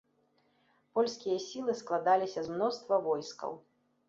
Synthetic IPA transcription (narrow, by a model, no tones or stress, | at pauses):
pɔlʲskʲijɐsʲilˠɨsklˠad̪alʲisʲɐzmnɔst̪vɐvɔjskɐ̰w